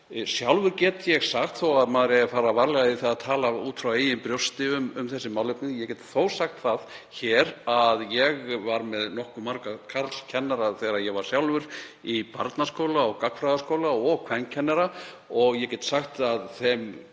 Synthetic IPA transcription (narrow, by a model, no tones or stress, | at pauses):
sjawlvʏɾcɛːt̪jɛɣsaxt̪θowaðmaːðɾɛafaːɾavaɾlɛɣaðɪθaat̪ʰaːlauːt̪fɾaweːjɪmpɾjowst̪ɪʏmʏmθɛsːɪmawlʏpnɪðjɛcɛt̪θoːwsaxt̪θaðçɛːɾaðjɛɣvaɾmɛðnɔhkʏmaɾkakʰaɾt̪l̥cʰɛnːaɾaθɛːɾajɛɣvaɾ̥sjawlvʏɾipa̰ɾt̪nḁskowlaɔɣkakfɾaðaskoːwlaɔɣkʰvɛnːcʰɛnːɛɾa | ɔɣjɛcɛːt̪saxt̪aðθɛm